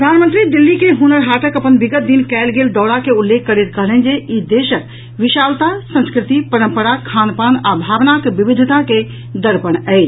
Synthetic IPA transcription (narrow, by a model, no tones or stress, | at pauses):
pɾəd̪ʱaːnmə̃nt̪ɾid̪ɪlːikeɦunəɾɦaːʈəkəpənbɪɡət̪̚d̪inkɛːlɡeːld̪ɔːɽakeulːekʰːəɾet̪kəɦlɛnd͡ʒeid̪eːʃək̚ | ʋɪʃaːlt̪asə̃nskɾɪt̪ipəɾə̃mpəɾakʰaːnpaːnaːbʱaːʋnakeʋɪbɪd̪ʱt̪ake | d̪əɾpəñɛɪt͡ʃ